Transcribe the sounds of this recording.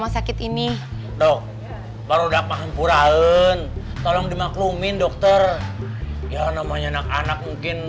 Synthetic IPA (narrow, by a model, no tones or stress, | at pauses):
masakɪt̪ini | dɔk̚ | baɾudak̚maɦampuɾaənt̪ɔlɔŋdimaklumɪndɔk̚t̪ɔr | janamaɲanakanak̚muŋkɪn